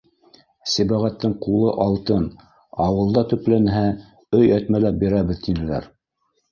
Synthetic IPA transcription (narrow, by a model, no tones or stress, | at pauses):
sibæʁæt̪ːɘɴqulˠɤʔɑlˠt̪ɤn | ɑwɤ̆lˠd̪ɑt̪ɵ̆plænɦæ | ɵjæt̪mælæp̚biɾæβɘðt̪inɘ̆læ̰ɾ